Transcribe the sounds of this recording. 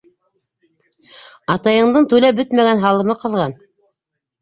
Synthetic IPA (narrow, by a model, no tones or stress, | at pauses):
ɑt̪ɑjɤ̆ɴd̪ɤɴt̪ʉlæbɵt̪mæɡænɦɑlˠɤ̆mɤqɤ̆lˠʁɑn